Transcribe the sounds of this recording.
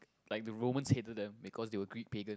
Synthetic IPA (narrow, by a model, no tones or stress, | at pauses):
laɪk̚dəɹõmə̃nshetəd̚dɛ̃mbikʰɔsdewəɡɹik̚peɡə̃n